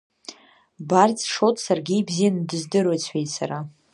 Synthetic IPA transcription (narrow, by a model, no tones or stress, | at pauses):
bart͡sʼʂotʰʼsarɡʲiːbzijandɨzdɨrejt͡sʰejtsaɾa